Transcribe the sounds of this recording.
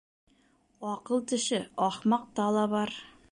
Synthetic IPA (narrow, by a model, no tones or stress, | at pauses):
ɒqɤlˠt̪ɘ̆ʃɘɒχmɑq̚t̪ɑlˠɑβɑɾ